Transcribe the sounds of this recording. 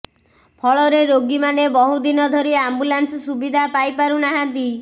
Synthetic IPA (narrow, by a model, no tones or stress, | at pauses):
pʰɔɭɔɾeɾoɡimanebɔɦud̪inɔd̪ʱɔɾiambulansɔsubid̪ʱapajpaɾunaɦãnt̪i